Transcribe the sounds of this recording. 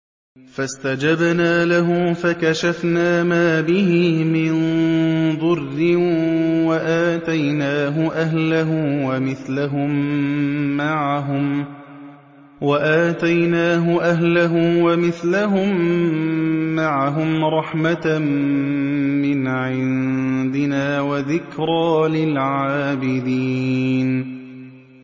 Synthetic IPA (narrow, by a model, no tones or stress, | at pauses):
fast̪ad͡ʒabnaːlaɦʊmfakaʃafnaːmaːbɪhɪmɪn | ðˤʊrːɪ | waʔaːt̪ajnaːɦʊʔaɦlaɦʊwamɪθlaɦʊmː | aʕaɦʊm | waʔaːt̪ajnaːɦʊʔaɦlaɦʊmwamɪθlaɦʊm | aʕaɦʊmɾˤɑħmat̪a | ɪnʕɪnd̪ɪnaːwaðɪkɾˤɑːlɪlʕaaːbɪd̪iːn